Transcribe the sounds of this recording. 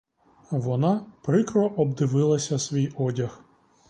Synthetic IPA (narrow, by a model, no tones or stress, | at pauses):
ʋɔnɑpɾɪkɾɔʔɔbd̪ɪʋɪlˠɐsʲɐsʋʲijɔdʲɐx